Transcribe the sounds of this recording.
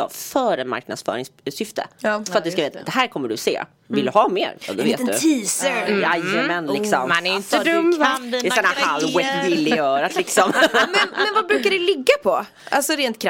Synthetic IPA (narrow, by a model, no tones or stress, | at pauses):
ɑ̰fœːɾəma̰ɾk̚nad̪sfœ̰ːɾɪŋssʏft̪ʰə̰fəɾat̪d̪ɵskaveːt̪d̪̥ɛɦæːɾkʰɔmːəɖɵsḛː | vɪld̪ɵhɑːmḛːɾ̰d̪ɔveːt̪ɵiːsəjajːəmɛnlɪkssɔmmanɛjɪnt̪əd̪əmɛsɔnahalwɛɪlːɪjœːɾat̪lɪksɔmmɛnmɛnvabɾʉ̟ːkaɖɛlɪɡːapʰɔ | a̰lsɔɾeːnt̪̚kʰɾa